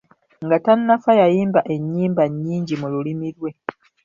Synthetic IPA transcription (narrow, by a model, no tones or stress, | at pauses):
ŋɡatanːafajajiːmbaʔe̞ɲːiːmbaɲːiːɲɟimululimiɾwe̞